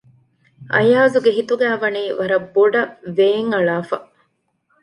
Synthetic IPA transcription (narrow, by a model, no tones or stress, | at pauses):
ʔɐ̰jaːzuɡeɦit̪uɡæːʋɐniːʋɐɾɐbːoɖɐʋeːŋɐɭaːfɐ